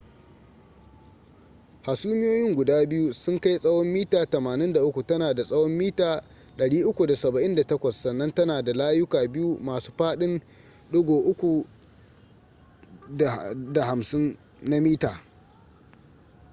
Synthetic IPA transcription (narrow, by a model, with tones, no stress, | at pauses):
ha˨suː˦mɪ˦joː˦jɪ˦ŋɡʷʊ˨daː˦bɪ˦ju˦sʊ˦ŋka˦jsʼɐ˦wɔ˦mːiː˦taː˨tɐ˨maː˨nɪ˦nda˨ʔʊ˦kʷu˨tɐ˦naː˨da˨sʼɐ˦wɔ˦mːiː˦taː˨ | ɗɐ˨ɽiː˦ʔʊ˦kʷu˨da˨sɐ˨bɐ˨ʔɪ˦nda˨tɐ˦kʷɐ˨sːɐ˨nːɐ˦ntɐ˦naː˨da˨laː˦jʊ˦kaː˨bɪ˦ju˦maː˨su̥ː˦ɸaː˦ɗɪ˦n | ɗʊ˦ɡoː˨ʔʊ˦kʷu˨ | da˨ha˨msɪ˦nː | a˦miː˦taː˨